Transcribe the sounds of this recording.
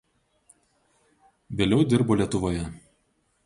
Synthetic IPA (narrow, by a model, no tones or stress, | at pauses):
ʋʲeːlʲɛʊd̪ʲɪɾboːlʲiɛt̪ʊʋoːjɛ